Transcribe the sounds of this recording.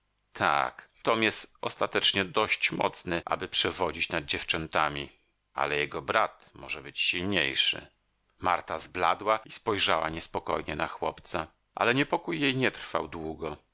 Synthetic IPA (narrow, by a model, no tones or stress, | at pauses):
t̪ʰa̰kt̪ɔmjɛst̪ɔst̪at̪ɛt͡ʂɲɛd̪ɔɕt͡ɕmɔ̰t̪snɛʔa̰bɘpʂɛvɔd͡ʑit͡ɕnad̪̚d͡ʑɛft͡ʂɛnt̪amʲi | ʔa̰lɛjɛɡɔbɾat̪mɔʐɛbɘt͡ɕɕilɲḛjʂɘ̰ | maɾt̪azblad̪waispɔjʐawa̰ɲɛspɔkɔjɲɛnaxwɔpt̪sa | ʔa̰lɛɲɛpɔkujːejɲɛt̪ɾ̥fa̰wd̪wuɡɔ